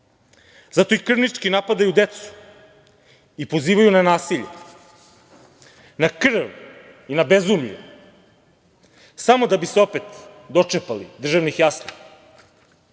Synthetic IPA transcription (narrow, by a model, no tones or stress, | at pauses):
zat̪o̞ikr̩ʋnit͡ʂkinapad̪ajud̪et̪su̥ | ipo̞ziːʋajunanaːsiʎḛ | nakr̩ʋ | inabezumʎṵ | samo̞d̪abiseo̞pet̪ | d̪o̞t͡ʂepalid̪r̩ʒaʋnixjasnik